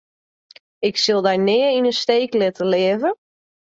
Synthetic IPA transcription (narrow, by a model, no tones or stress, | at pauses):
ɪksɪlˠdajnɪːəinənsteːklɪtəlɪəvə